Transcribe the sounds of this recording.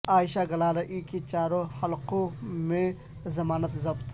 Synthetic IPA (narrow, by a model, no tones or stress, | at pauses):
aːjʃaɡɐlaːlaʔikit͡ʃaːɾõxɐlqõmẽ | zɐmaːnət̪zɐbt̪